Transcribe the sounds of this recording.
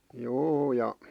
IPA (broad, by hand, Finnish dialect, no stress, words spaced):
juː jɑ